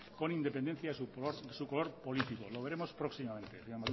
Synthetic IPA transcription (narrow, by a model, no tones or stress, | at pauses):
ko̞nind̪e̞pend̪e̞n̟θjaðesuoɾðesukolo̞ɾpo̞lit̪ikolo̞β̞e̞ɾe̞mo̞spɾo̞ksimament̪eseɲoma